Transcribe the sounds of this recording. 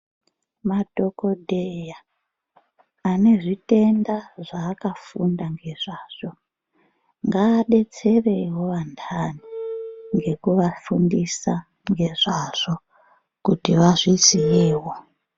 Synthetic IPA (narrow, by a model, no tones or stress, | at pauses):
madʱo̞ko̞dʱeja | ne̞ʐite̞ndaʐaːkafundaŋɡe̞ʐaːʐ̥o̞ | ŋɡaːɗe̞t͡se̞rewoʋantʰaniŋɡe̞kuʋafundisa | ŋɡe̞ʐaʐ̥o̞ | kutiʋaʐizijiːwa